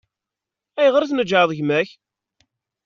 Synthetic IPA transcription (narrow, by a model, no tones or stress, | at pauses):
æjʁəɾθnəd͡ʒʕəðˤʝmæç